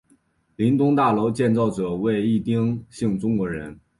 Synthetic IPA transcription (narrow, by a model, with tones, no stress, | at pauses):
li˧˥nt̪ʊ˥ŋt̪a˥˩lo˧˥ʊt͡ɕjɛ˥˧nt͡sɑ˥˩ʊʈ͡ʂɤ˨˩we˥˧ɪi˥˩t̪i˥ŋɕi˥˩ŋʈ͡ʂʊ˥ŋkwɔ˧˥ɻə˧˥n